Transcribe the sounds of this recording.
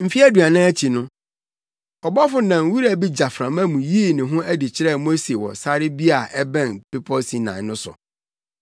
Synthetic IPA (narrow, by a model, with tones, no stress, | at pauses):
m̩˦fi˦æ˦du˨a˨nãː˦æ˦t͡ɕʰi˨nʊ̃˦ | ɔ˨bɔ˦fʊ˦nã˨ŋ˨wu˦ɾæ˨bi˦d͡ʑa˨fɾã˨mæ̃˦mũ˨jiː˦˨nɪ̃˨ɦʊ̃˦ʔæ˦dɪ˨t͡ɕʰɪ˦ɾɛ˦˨mo˦se˨wɔ̰˨sa˦ɾɪ˦bi˦a˨ʔɛ˦bɛ̃˦˨npe˦pʰɔ˦si˨nã̰˨˦ʊ̃˦sʊ̰˨